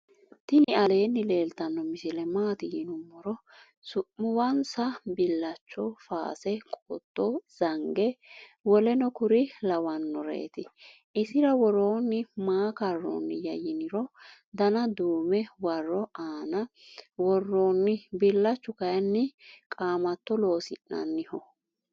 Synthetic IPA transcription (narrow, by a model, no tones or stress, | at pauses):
t̪ɪnɪɐle̞ːnːɪle̞ːlt̪ɐnːɔmɪsɪlɛmaːt̪ɪɡɪnʊmːɔɾɔ | sʊmːʊwɐnsɐbɪlːɐt͡ʃːɔfa̰ːsɛkʼoːt̪ːɔz̥ɐŋɡɛwɔlɛnɔkʊɾɪlɐwɐnːɔɾḛːt̪ɪ | ʔɪsɪɾɐwɔɾo̞ːnːɪmaːkɐrːo̰ːnːɪjɐjɪnɪɾɔ | d̪ɐnɐd̪uːmɛwɐrːɔaːnɐ | wɔrːoːnːɪbɪlːɐt͡ʃːʊkɐjɐnːɪkʼaːmɐt̪ːɔlo̞ːsɪ̰nːɐ̰nːɪhɔ